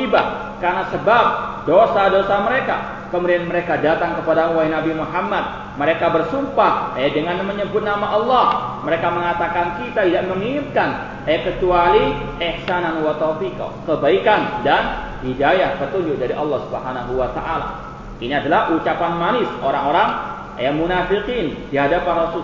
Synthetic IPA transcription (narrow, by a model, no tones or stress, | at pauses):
iba | karnasəbap̚dosadosaməɾeka̰ | kəmudianməɾekadat̪aŋkəpadamuwainabimuɦamːat̪̚ | məɾekabərsumpahɛdəŋanməɲəbʊt̪̚namaʔɑlˠːɑhməɾekaməŋat̪akankit̪at̪idaʔ̚məŋiɪmkan | ɛkət͡ʃuali | ʔɛhsananwat̪ɔfika̰kəbaikandan | hidajahpət̪uɲd͡ʒʊʔ̚daɾiʔɑlːɑhsubəɦanaɦuwat̪a̰ʔala̰ | iniadalahʔut͡ʃapanmanɪsoɾaŋoɾaŋ | ɛmunafiqindiɦadapanrɔsu